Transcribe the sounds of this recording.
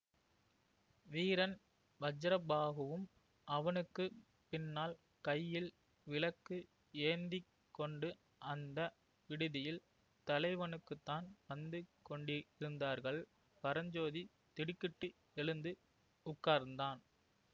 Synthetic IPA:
ʋiːɾɐn | ʋɐd͡ʒɐɾɐbaːɣɯʋɯm | ʔɐʋɐnɯkːɯ | pɪnːaːl | kɐjːɪl | ʋɪlɐkːɯ | eːnd̪i | kːɔɳɖɯ | ʔɐnd̪ɐ | ʋɪɽɯðɪjɪl | t̪ɐlɐɪʋɐnɯkːɯt̪ːaːnʋɐnd̪ɯkɔɳɖɪɾɯnd̪aːɾɣɐɭ | pɐɾɐɲd͡ʒoːði | t̪ɪɽɪkːɪʈːɯ | ɛɭɯnd̪ɯ | ʊkːaːɾnd̪aːn

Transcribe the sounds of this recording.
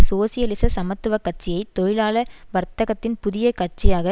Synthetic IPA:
soːsɪjɐlɪsɐsɐmɐt̪ːɯʋɐkːɐʈ̚t͡ʃːɪjɐɪt̪ːɔɻɪlaːlɐʋɐɾt̪ɐɣɐt̪ːɪnpʊðɪjɐkɐʈt͡ʃːɪjaːɣɐ

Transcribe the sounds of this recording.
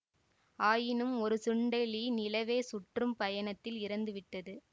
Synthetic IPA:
aːjɪnɯmɔɾɯsʊɳɖɐɪliːnɪlɐʋeːsʊʈrɯmpɐjɐɳɐt̪ːɪlɪɾɐnd̪ɯʋɪʈːɐðɯ

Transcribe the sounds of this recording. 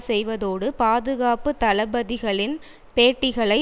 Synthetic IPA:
sɛjʋɐðoːɽɯpaːðɯɣaːpɯt̪ɐlɐbɐðɪɣɐɭɪn | peːʈːɪɣɐɭɐɪ

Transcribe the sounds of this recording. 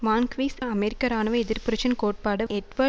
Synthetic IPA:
ʋaːnkʋiːsɐmɛɾɪkːɐɾaːnɐʋɐɛðɪɾpʊɾɐt͡ʃɐnkoːʈ̚paːɽɐɛʈʋɐ

